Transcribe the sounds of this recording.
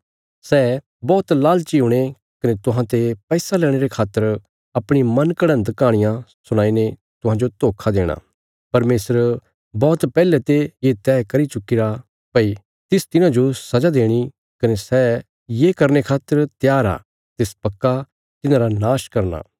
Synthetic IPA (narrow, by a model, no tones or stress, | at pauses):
sɛ | bɔːt̪laːlt͡ʃiuɽ̃e | kɐnet̪ʊɦãt̪epɛːsalɛːɽ̃eɾekʰaːt̪ːəɾ | ɐpɽ̃imɐ̃nkɐɽə̃nd̪kaːɽ̃ɪjãsʊɽ̃aːine | t̪ʊɦãːd͡ʒot̪oːkʰad̪eːɽ̃a̰ː | pɐɾmeːsəɾ | bɔːt̪pɛːlɛt̪ejet̪ɛːkɐɾit͡ʃʊkːiɾa | pɐi | t̪ɪst̪ɪnãd͡ʒosɐd͡ʒad̪eːɽ̃i | kɐnesɛ | jekɐɾnekʰaːt̪ːəɾt̪jaːɾa̰ː | t̪eːspɐkːa | t̪ɪnãɾanaːʃkɐɾna̰ː